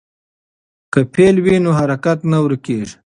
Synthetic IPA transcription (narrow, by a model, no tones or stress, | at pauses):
kəpʰelwinoɦaɾakat̪nawɾkeːʐ